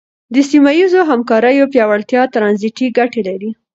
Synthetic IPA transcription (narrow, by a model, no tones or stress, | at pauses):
d̪əsimajizoɦamkɑɾəjopjɑwalt̪jɑt̪ɾɑnziʈiɡaʈelaɾi